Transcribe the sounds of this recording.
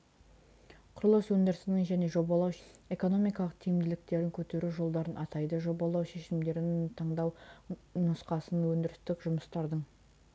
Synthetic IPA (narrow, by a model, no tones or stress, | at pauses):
qʰʊɾlˠəswɵnd̪ɪɾɪsɪnɪŋʒæne̞ʒo̞bɑlˠɑwe̞ko̞no̞mijkɑlˠəqt̪ʰijɪmd̪ɪlɪk̚t̪e̞ɾɪŋkʲʰɵt̪e̞ɾuʒo̞lˠd̪ɑɾənɑt̪ɑjd̪əʒo̞bɑlˠɑwʃe̞ʃɪmd̪e̞ɾɪnɪnt̪ʰɑɴd̪ɑwnʊsqɑsənwɵnd̪ɪɾɪst̪ɪkʒʊməst̪ɑɾd̪əɴ